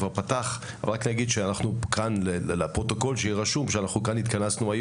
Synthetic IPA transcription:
vaʁpataχ | avalʁaknaɡid̪ʃeanaχnukʰanlellepʁo̞t̪o̞ko̞lʃejiʁaʃumʃeanaχnukanit̪kanasnuaj

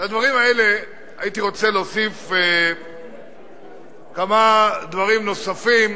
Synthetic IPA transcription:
lad̪vaʁimae̞le̞ | ait̪iʁo̞t͡selosife | kamad̪vaʁimno̞safim

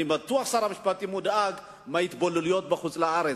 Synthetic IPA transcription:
imat̪uaχsaɾaməʃpat̪imud̪aaɡ | mait̪boluljot̪̚baχut͡sʼlaaɾe

